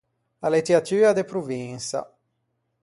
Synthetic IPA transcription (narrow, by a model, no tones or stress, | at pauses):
alet̪eat̪yːɾad̪epɾuviŋsa̰